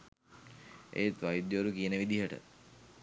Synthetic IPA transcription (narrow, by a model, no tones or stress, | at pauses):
ʔḛt̪ʋajid̪jʋoɾukijənəʋid̪iɦəʈə̰